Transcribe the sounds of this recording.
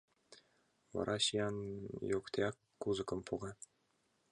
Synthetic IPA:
vɑ̰ɾʔɑɕijɑnjokt̪ʲeɑkːuzɤ̆kɤ̆mpuɡɑ

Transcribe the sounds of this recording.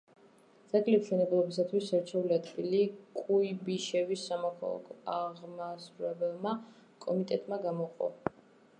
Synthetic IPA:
d̪z̥aɡʼlipʃɛnɛblˠɔbisat̪ʰwisɛɾt͡ʃʰɛuliad̪ɡilikʼuibiʃɛvisːamɔkʰa̰lˠa̰kʰɔaʁmasuɾɛbɛlˠma | kʼɔmit̪ʼɛt̪ʼmaɡamɔqʼɔ̰

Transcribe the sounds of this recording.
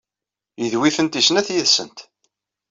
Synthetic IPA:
jəðwiθənt̪isnæθjəðsə̰nt̪

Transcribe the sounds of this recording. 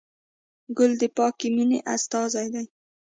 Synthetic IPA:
ɡʊld̪əpɑkiminḛʔast̪ɑzajd̪aj

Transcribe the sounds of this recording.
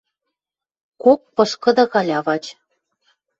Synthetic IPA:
kok̚pɤ̆ʃkɤ̆d̪ɑkɑlʲɑβɑtʲ

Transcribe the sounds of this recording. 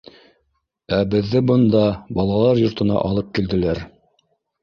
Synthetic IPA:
æbɘ̆ðːɘbɤ̆nd̪ɑbɑlˠɑlˠɑɾjŏɾt̪ɤ̆nɑ̰ʔɑlˠɤp̚kild̪ɘ̆læɾ

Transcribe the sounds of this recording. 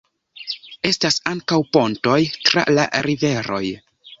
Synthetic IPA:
e̞stasaŋkawpo̞nto̞jtɾa̰la̰ɾive̞ɾo̞̰j

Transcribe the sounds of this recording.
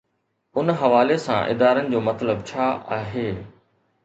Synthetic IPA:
ʊnɦɐʋaːlesã̰ʔɪ̰d̪aːɾənɪ̆d͡ʑoːmɐt̪ləbt͡ɕʰaːʔaːɦeː

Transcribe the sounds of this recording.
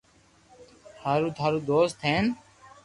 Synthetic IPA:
haːɾuːt̪ʰaːɾuːd̪oːst̪ʰeːn

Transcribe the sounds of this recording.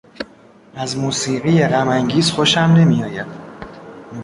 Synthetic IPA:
æzmuːsiːɣijeɣæmæŋɟiːzxoʃæmne̞mijɒːjæd̪̥

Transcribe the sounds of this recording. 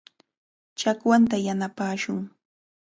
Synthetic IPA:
t͡ʃakwant̪ajanapaːʃʊŋ

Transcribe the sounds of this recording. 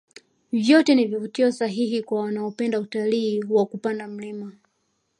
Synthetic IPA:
vjɔtɛnivivutiɔsaɦihikwawanaɔpɛndautaliːwakupandam̩lima

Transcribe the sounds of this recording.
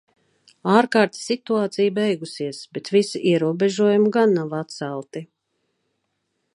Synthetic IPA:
aːɾkaːɾt̪sit̪uaːt̪sijbɛjɡusiɛsbɛt̪visiʔiɛɾuɔbeʒuɔjumɡanːavat̪̚sælˠt̪i

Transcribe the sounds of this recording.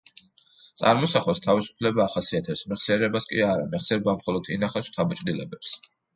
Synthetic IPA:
t̪sʼa̰ɾmɔsaχɛst̪ʰavisu̥pʰlɛbaːχasiat̪ʰɛpsmiʁsɛɾɛbaskʼiaɾamɛʁsɛɾɛbamχɔlˠɔd̪ʰḭnaχɛsʃt̪ʰabat͡ʃʼd̪ilɛbɛps

